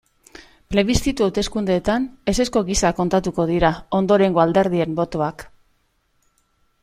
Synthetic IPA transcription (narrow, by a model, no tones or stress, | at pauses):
ple̞βist̪it̪uawt̪e̞skund̪eːt̪ane̞se̞sko̞ɣisako̞nt̪at̪uko̞ð̞iɾao̞nd̪o̞ɾe̞ŋɡo̞ald̪e̞ɾð̞ie̞mbo̞t̪o̞ak